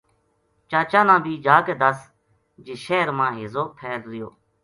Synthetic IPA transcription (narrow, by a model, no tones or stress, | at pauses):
t͡ʃãːt͡ʃãːnãːbʱiːd͡ʒaːkeːd̪əs | d͡ʒɪʃeːɾmãːɦɪzoːpʰeːlɾɪjo̰ː